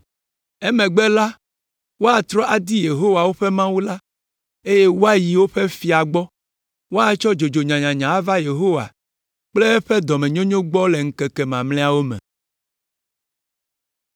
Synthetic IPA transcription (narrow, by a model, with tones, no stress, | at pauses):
ɛ˦mɛ̃˨ɡ͡bɛ˦la˦ | wo˦a˨t̪ɾɔ˦ʔa˨d̪i˦je˨ɦo˦wa˨wo˦ɸe˦mã˦wu˦la˦ | e˦je˦wo˦a˦ji˨wo˦ɸe˦fi˨a˨ɡ͡bɔ˦ | wo˦a˨t͡ʃɔ˦d͡ʒo˨d͡ʒo˨ɲã˨ɲã˨ɲã˨a˦va˦je˨ɦo˦wa̰˨ | k͡ple˦ɸe˦d̪ɔ˨mɛ̃˨ɲõ˦ɲõ˦ɡ͡bɔ˦le˨ŋ̩˦kɛ˨kɛ˨mã˨mlɛ̃˦a˦wo˦mɛ̰̃˨